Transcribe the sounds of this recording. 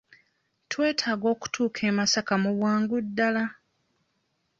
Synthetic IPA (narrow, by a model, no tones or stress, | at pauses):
twe̞ːtʰaːɡo̞ːku̥tuːkʰe̞ːmasakamuβwaːŋɡudːala